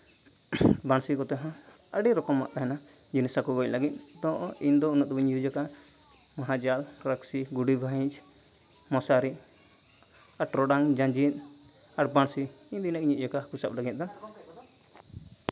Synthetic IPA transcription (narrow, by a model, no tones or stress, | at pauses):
bansikɔt̪ɛɦã | əɖɛɾɔkɔmːa̰ʔk̪aɦɛna | d͡ʒunisakɔbɔclaɡit̪̚ˀ | d̪ɔ̃ʔind̪ɔunɔʔt̪biɲd͡ʒud͡ʒɔka | maɦad͡ʒal | ɾaksiɡuɖibʱaiɲt͡ʃ | mɔsaɾi | aɾʈɾɔɖaŋd͡ʒãd͡ʒit̪̚ | aɾbansi | ind̪inak̚ɲiʔ̚d͡ʒɔkakusap̚laɡit̪̚d̪ɔ